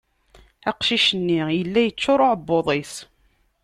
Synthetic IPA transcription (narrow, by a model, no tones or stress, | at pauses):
æqʃiʃənːijəlːæjət͡sːʊɾˤoʕəbːoðˤis